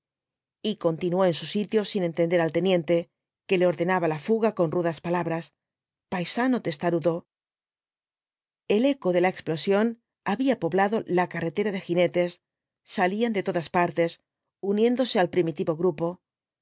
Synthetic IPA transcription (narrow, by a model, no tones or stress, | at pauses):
iko̞nt̪inuo̞e̞nsusit̪jo̞sine̞nt̪end̪e̞ɾalt̪e̞njẽ̞nt̪e̞ | ke̞le̞o̞ɾðe̞naβalafuɣako̞nruðaspalaβɾas | pajsano̞t̪e̞st̪aɾuðo̞ | e̞le̞ko̞ðe̞laeksplo̞sjo̞n | aβiapo̞βlaðo̞lakare̞t̪e̞ɾaðe̞xine̞t̪e̞sː | aliand̪e̞t̪o̞ðaspaɾt̪e̞s | unjẽ̞nd̪o̞se̞alpɾimit̪iβo̞ɣɾupo̞